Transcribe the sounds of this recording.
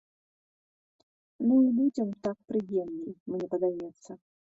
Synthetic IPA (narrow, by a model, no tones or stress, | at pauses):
nuilud͡zʲɛmt̪ak̚pɾɨjɛmlʲimɲʲɛpɐd̪ajɛt̪sːɐ